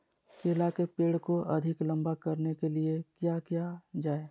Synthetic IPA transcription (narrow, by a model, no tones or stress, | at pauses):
keːlakepeːɽkoʔɐd̪ʱɪklɐ̃mbakɐɾnekeliekjaːkjad͡ʒaːe